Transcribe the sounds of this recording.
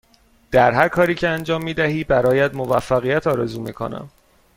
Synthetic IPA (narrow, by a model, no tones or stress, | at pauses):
d̪̥æɾɦæɾkʰɒːɾiːcʰeænd͡ʒɒːmːiːd̪æɦiːbæɾɒːjæd̪movæfːæɣijæt̪ʰɒːɾɛzuːmḭːkʰo̰næ̰m